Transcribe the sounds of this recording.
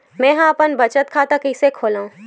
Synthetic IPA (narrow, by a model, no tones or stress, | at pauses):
mɛ̃ːɦãɐpənbɐt͡ʃət̪̚kʰaːt̪akɪsekʰoːlaːũː